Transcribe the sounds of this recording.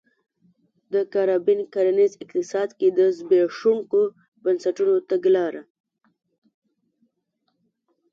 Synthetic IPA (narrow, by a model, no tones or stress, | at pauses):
d̪əkaɾɑbinkaɾanizɪqt̪ɪsɑːd̪ked̪əzbeʂuŋko | bənsaʈunot̪aɡlɑːɾa